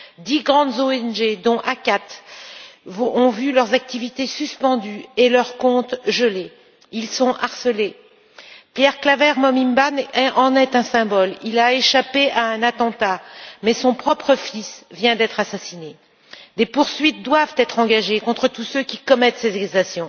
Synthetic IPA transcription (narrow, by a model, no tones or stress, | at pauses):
d̪iɡʁɑ̃d̪zoɛnʒed̪ɔ̃ʔakat̪ | vɔ̃vylœʁzak̚t̪ivit̪esyspɑ̃d̪yelœʁkɔ̃t̪ʒəle | ilsɔ̃ʔaʁsəle | pjɛʁklavɛʁmɔmimbanɛɑ̃nɛt̪ɛ̃sɛ̃bɔlilaeʃapeʔaɛ̃nat̪ɑ̃t̪amɛsɔ̃pχɔpχəfisvjɛ̃d̪ɛt̪χasasine | d̪epuʁsɥit̪̚d̪wavt̪ɛt̪χɑ̃ɡaʒekɔ̃t̪χət̪usøkʲikɔmɛt̪sezɛkzasjɔ̃